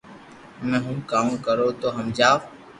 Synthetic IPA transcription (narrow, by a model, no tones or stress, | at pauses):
mẽːɦʊmkaːum̃kəɾoːt̪oːɦəmd͡ʒaːʋ